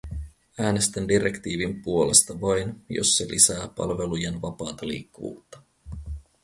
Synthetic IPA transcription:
æːne̞st̪ændiɾekt̪iːʋimpuo̞le̞st̪ɑʋɑjnjo̰sːe̞lʔḭsæːpɑ̰lʋe̞lujenʋɑpɑːt̪ɑlḭːkːuʋṵːt̪ːɑ̥

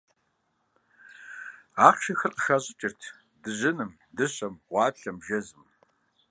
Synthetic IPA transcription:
aːχʃɐxɨrʔəxɐʑʼɪt͡ʃʼɪrtʰ | dɨʑɪnɨm | dɨɕɐmʁʷɑːpɬɐmʒɐzɨm

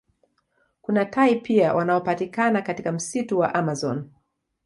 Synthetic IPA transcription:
kunatʰaipiawʔanaɔpatikanakatikam̩situwa̰ʔamazɔn

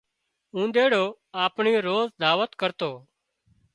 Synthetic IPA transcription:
ũːd̪eːɽoː | aːpɳiːoɾoːzd̪aːʋət̪kəɾt̪oː

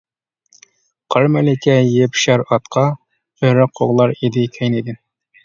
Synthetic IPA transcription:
qʰɑɾmɛlɪkʲʰɛjepʃɑɾɑt̪qʰɑ | øɾɪqʰoʁlˠɑɾid̪ɪkʲʰɛjnid̪ɪn

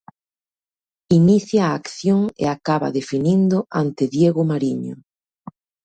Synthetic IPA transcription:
iniθjaːkθjoŋḛakaβa̰ðefinind̪ʊʔant̪ɪðjeɣʊmaɾiɲo̰

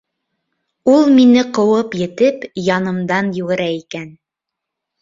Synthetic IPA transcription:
ulˠminɘqɤ̆wɤpjɘ̆t̪ɘpjɑnɤ̆md̪ɑnjʉɣɘ̆ɾæikæn

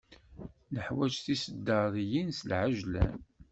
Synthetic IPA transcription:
ləħwæt͡ʃθisəd̪ːəðˤjinsəlʕaʒlæ̰n

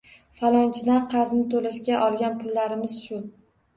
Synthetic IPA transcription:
falˠɒnt͡ʃʰɪd̪aqʰɑɾznɪt̪ʰolaʃɡʲaʔɒlˠɡʲanpʰʊlːaɾɪmɪz̥ʃʊ

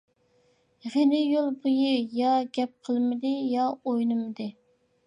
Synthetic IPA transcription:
ʁenɪjolˠbujɨjɑɡʲɛp̚qʰəlˠmɪd̪ɪjɑojnɨmɨd̪ɨ

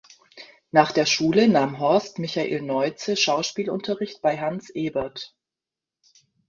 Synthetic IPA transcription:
naːχd̥eːɐʃuːlənaːmɦɔɐstmɪçaʔḭːlnɔʏt͡səʃaʊʃpiːlʊ̰ntʰɐʁɪçtb̥aɪɦansʔeːbɐt

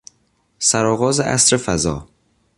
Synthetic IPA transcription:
sæɾɒːɣɒːzeʔæ̰sɾefæzɒ̰ː

